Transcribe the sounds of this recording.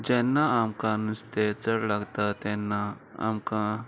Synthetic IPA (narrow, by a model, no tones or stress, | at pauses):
d͡ʒeːnːaamkãnust̪et͡səɽlaɡt̪at̪ẽnːa | a̰mkã